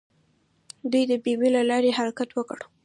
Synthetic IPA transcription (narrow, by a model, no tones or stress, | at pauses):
d̪ujd̪əbewelalɑɾehaɾakat̪wəkəɽ